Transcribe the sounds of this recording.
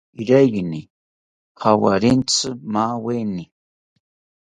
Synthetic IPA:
iɾajni | χawa̰ɾent͡sʰɨmaːweni

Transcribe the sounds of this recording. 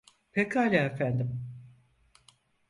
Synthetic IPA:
pʰekaːlʲaːefænd̪im

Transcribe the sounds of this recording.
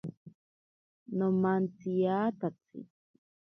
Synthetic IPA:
nomant͡sijaːt̪at͡sḭ

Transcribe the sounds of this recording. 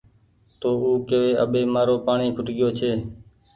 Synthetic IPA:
t̪oːuːkeʋeːə̰ɓeːmaːɾoːpaːɳiːkʰʊʈɠɪjoːt͡ʃʰeː

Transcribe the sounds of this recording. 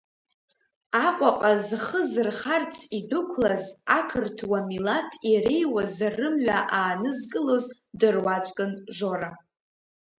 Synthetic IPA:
aqʷʼaqʼazχəzɨrχart͡sʰidʊkʷʰlazakʰɨrtʰwamilatʰiɾejwazarɨmɥʷaʔaːnɨzkʼɨlo̞z | dɨrwat͡ʃʷʼkʼɨnʒoɾa

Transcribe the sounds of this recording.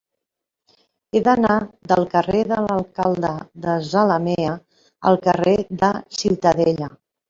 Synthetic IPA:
eðənaðəlˠkəreðələlˠkalˠd̪əðəzaləmeə | ə̰lˠkəreðəsiwt̪əðeʎə

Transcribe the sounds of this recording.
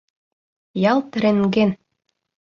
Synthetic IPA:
jɑlt̪ɘ̆ɾĕŋɡen

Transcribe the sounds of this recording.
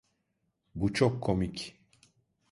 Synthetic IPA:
but͡ʃʰɔkʰːomicʲ

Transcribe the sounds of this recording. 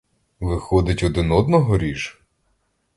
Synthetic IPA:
ʋɪxɔd̪ɪtʲɔd̪ɪnɔd̪nɔɦɔɾʲiʒ

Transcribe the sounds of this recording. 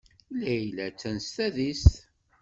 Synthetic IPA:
læjlæt͡sːænst̪æðist̪

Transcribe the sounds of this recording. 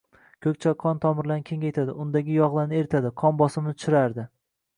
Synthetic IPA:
kʰɵk̚ʲt͡ʃʰaqʰːɒnt̪ʰɒmɪɾlankʲʰe̞ŋʲajt̪ʰad̪ɪʊnd̪aɡʲɪjɒʁlˠaɾnɪe̞ɾt̪ʰad̪ɪqʰɒnbɒsɪmnɪt̪ʰʊ̥ʃɪɾaɾd̪ɪ

